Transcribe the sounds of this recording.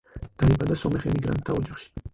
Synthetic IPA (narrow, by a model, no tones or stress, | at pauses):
d̪̥aibad̪asɔmɛχɛmiɡɾa̰nt̪ʰːaɔd͡ʒaχʃi̥